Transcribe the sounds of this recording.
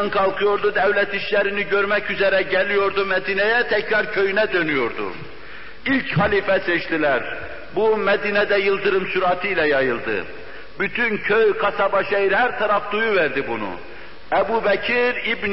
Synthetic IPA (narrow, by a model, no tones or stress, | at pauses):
nkʰɑlˠkʰɯjo̞ɾd̪ud̪ævlɛt̪iʃlæɾiniɟøɾmæcyzɛɾɛɟɛlijo̞ɾd̪umɛd̪iːnɛjæt̪ʰɛcɾɑɾcʰø̞jynɛd̪ønyjo̞ɾd̪ṵ | ilʲchɑliːfɛsɛʃt̪ilæɾ | bumɛd̪iːnɛd̪ɛjɯlˠd̪ɯɾɯmsuɾɑt̪ʰɯilɛjɑjɯlˠd̪ɯ̰ | byt̪ʰyncʰøjkʰɑsɑbɑʃɛjiɾhæɾt̪ʰɑɾɑfd̪ujuvɛɾd̪ibunṵ | ɛbubɛcʰiɾibn